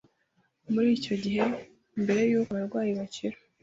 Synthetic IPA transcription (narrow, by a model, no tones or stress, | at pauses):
muɾiːco̞ɟiɦe̞ | mbe̞ɾe̞juːkaβaɾɡwaːjiβaciɾo